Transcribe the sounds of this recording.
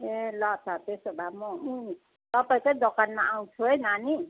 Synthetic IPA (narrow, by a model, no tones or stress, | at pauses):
elʌt̪ʰat̪esobʱamʌu | t̪ʌpaĩkʌĩd̪ʌkanmaʔaw̃t͡sʰuɦʌjnani